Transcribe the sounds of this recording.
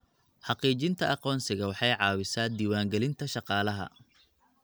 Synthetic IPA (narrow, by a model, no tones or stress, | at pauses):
ħɑqiːt͡ʃɪnt̪ʰɐʔɑqɔːnsɪɣɐwɑħɑjʕɑːwɪsaːd̪iːwaːŋɡɛlɪnt̪ʰɐʃɑqɑːlɐɦɐ̰